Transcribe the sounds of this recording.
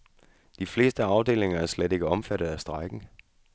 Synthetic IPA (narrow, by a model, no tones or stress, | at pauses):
d̥ifle̝̰ːsd̥əɑ̈ʊd̥e̝̰ːle̝ŋɐæɐsled̥e̝ɡ̥əɒ̽mfæɾ̥ð̩ˠæsd̥ʁɑ̈ɪɡ̥n̩